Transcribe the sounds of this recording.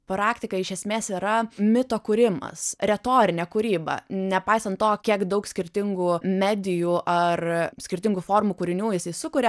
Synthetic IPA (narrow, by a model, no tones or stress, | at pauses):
pɾɑːkt̪ʲɪkɐɪʃʲɛsʲmʲeːsiːɾɐmʲɪt̪oːkuɾʲɪmɐ̰sɾʲɛt̪oːɾʲɪnʲɛːkʊɾʲiːbɐ̰nʲɛpɐɪsɐnt̪t̪oːkʲiɛkd̪ɐʊksʲkʲɪɾʲt̪ʲɪŋɡuːmʲæːd̪ʲɪjuːʔɐrsʲkʲɪɾʲt̪ʲɪŋɡufoːrmukʊːɾʲɪnʲuːjɪsɐɪsʊkʊɾʲɛ